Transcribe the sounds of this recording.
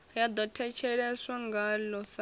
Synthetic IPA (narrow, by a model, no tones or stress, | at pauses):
jad̪ɔtʰɛt͡ʃʰɛɺɛsaŋɡalɔsa